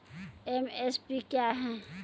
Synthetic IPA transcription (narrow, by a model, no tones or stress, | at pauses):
emespikjaɦɛ̃